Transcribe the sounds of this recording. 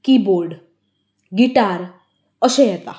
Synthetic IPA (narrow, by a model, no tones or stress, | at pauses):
kiboɾɖ | ɡiʈaɾ | əʃeɦɛt̪a